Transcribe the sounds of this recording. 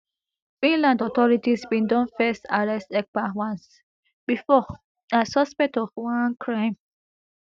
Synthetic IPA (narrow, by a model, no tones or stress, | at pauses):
fĩnlãndɔtɔɾitisbĩndɔ̃nfɛstaɹɛstɛk̚bawãns | bifɔ | asɔspɛk̚tɔfwãnkʰɹãɪ̃m